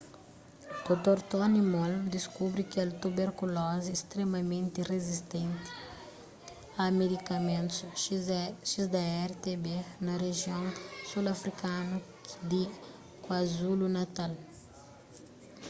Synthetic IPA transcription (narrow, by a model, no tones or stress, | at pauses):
d̪̥ot̪oɾt̪onimold̪iskubɾikɛlt̪ubeɾkulɔziest̪ɾemɐmẽnt̪irezist̪ẽnt̪i̥ | amed̪ikɐmẽnt̪s | ʃizd̪ɐɛɾt̪ebenɐreʒjõŋsulɐfɾikanu | d̪i | kwazulunat̪al